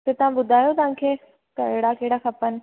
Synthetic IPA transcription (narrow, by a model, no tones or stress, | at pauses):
t̪et̪ɐʋ̤ãbʊd̪ʱaːjot̪ɐʋ̤ãːkʰeː | kɐɦɪɽakɐɦɪɽaxɐpən̆